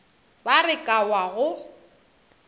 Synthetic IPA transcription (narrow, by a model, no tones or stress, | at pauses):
barɪkʼawaɣʊ